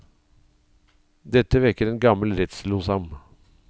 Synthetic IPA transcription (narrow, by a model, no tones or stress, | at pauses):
d̪ɛt̪əʋɪɾkəɾeːnɡɑməl̩ɾɛt̪sluːsɑm